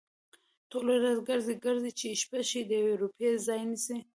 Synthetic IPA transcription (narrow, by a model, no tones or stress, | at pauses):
t̪oleɾazɡəɾziɡəɾzit͡ʃeʃpaʃid̪əjaweɾupezɑjnisi